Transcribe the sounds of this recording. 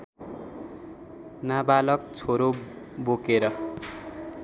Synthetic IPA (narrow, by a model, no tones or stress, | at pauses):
nabalʌkt͡sʰoɾo | bokeɾʌ